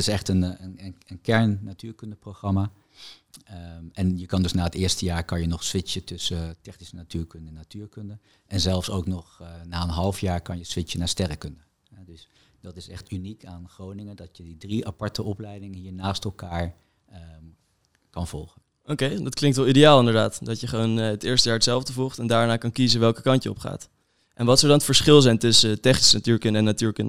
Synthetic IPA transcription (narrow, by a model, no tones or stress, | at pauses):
tɪsɛχtənənənənkɛɹnːatyːɹkɵndəprowχrɑmaː | ɛnjəkɑndɵsnaːətɪːɹstəjaːɹkɑnjənɔχsʋɪt͡ʃətɵsətɛχnisənatyːɹkɵndəɛnatyːɹkɵndə | ʔɛnzɛlˠfsowknɔχnaːənɦɑlˠfjaːɹkɑnjəsʋɪt͡ʃənaːstɛrəkɵndə | ɦɛdɵs | d̥ɑtɪsɛ̰χtynikaːnχrownɪŋəndɑtjədidriapɑɹtəʔɔplɛjdɪŋəɦiːɹnaːstɛlˠkaːɹ | kɑnv̥ɔlˠχən | ʔowkejdɑtklɪŋktʋɛlˠidejaːlˠɪndəɹdaːtdɑtjəχəʋonətɪːɹstəjaːɹətsɛlˠvdəvulˠχtɛndaːɹnaːkɑnkizəʋɛlˠkə̥kɑntjəɔ̰pχa̰ːt | ʔɛnʋɑtsowdɑnətfəɹsχɪlˠzɛjntɵsətɛχnisənatyːɹkɵndəɛnːatyːɹkɵndə